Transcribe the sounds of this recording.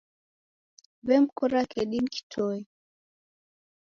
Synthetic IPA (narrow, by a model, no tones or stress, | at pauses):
bɛmkɔɾakɛɗinki̥tʰɔɛ